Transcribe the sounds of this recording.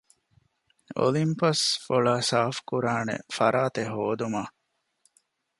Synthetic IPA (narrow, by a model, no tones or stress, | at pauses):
o̰limpɐsfoɭaːsaːfkuɾaːnḛfɐ̰ɾaːt̪eɦoːd̪umaː